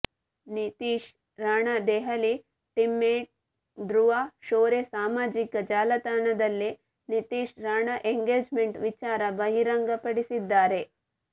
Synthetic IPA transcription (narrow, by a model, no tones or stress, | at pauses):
nit̪iːʃ | ɾaːɳɐd̪ɛːɦɐli | ʈimːeːʈ̚ | d̪ɾuʋaːʃoːɾesaːmaːd͡ʒikɐd͡ʒaːlɐt̪aːnɐd̪ɐlːi | nit̪iːʃɾaːɳɐʔeŋɡeːd͡ʒmeɳʈʋit͡ʃaːɾɐbɐɦiɾɐŋɡɐpɐɽisid̪ːaːɾe